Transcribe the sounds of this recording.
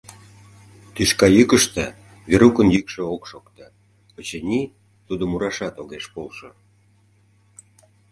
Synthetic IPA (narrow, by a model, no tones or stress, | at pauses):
t̪yʃkɑjykəʃt̪ə̆ | βeɾukənjykʃĕokʃokt̪ə | ot͡ɕenʲi | t̪ud̪ŏmuɾɑʃɑt̪oɣeʃpolʃo